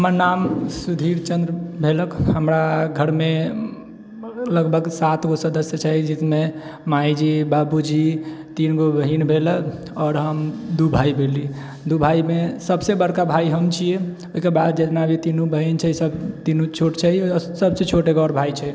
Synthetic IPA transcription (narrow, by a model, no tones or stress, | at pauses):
ɦɦəməɾnamsud̪ʱiɾt͡ʃə̃nd̪ɾəbʱeləkɦəmɾaɡʱəɾme | ləɡbʱəɡsat̪ɡosəd̪əsjət͡ʃʰɛd͡ʒismemajd͡ʒibabud͡ʒit̪inɡobəɦinbʱelək | ɔːɾɦəmd̪ubʱaibʱeli | d̪ubʱaimesəbsebəɾkabʱaiɦəmt͡ʃʰije | oɦikebad̪d͡ʒet̪nabʱit̪inubəɦint͡ʃʰɛisəbt̪inut͡ʃʰoʈt͡ʃʰɛisəbset͡ʃʰoʈeɡɔɾbʱait͡ʃʰɛ